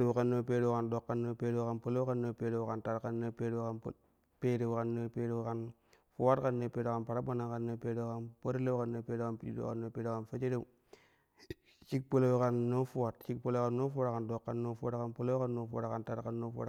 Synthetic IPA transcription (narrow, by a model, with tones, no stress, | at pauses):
e˦˨ka˦nːo˦pe˦ɾe˦wka˨ndo˨kːa˦nːo˦pe˦ɾe˦wka˦npo˦lo˦ka˦nːo˨pe˨˦ɾe˨wka˨nta˦ɾka˦nːo˦pe˦ɾe˦wka˦n˨ | peː˦ɾe˨ka˨nːo˦pe˦ɾe˦ka˦n | fu˦wa˦tka˦nːo˨peː˦ɾe˨ka˨npa˨ɾa˦ba˦na˨ka˨nːo˦pe˦ɾe˦wka˦npo˦ɾe˦le˦ka˦˨nːo˨peː˦de˦ka˦˨npi˨˦ḭ˦ḛ˦ka̰˨nːo˦peː˦ɾe˦ka˦nfe˦t͡ʃe˦ɾe˦u˦ | t͡ʃi˦k̚po˦lo˦wi˦ka˦nːo˦fu˦wa˨tt͡ʃi˦k̚po˦lo˦ka˨nːo˦fu˦a˦tka˨ndo˨kːa˨nːo˦fu˦a˦tka˨npo˦lo˦ka˦nːo˨fu˦wa̰˨tka˨nta˦ɾka˦nːo˦fu˦a̰˨